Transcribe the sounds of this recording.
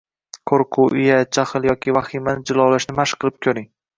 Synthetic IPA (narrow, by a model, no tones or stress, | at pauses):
kʰoɾqʰʊʔɪjad͡ʒaχɨlˠjɒkʲʰivaχimanɪd͡ʒɪlˠɒwlaʃnɪmaʃqʰɨlˠɪp̚kʲʰɵɾɪŋ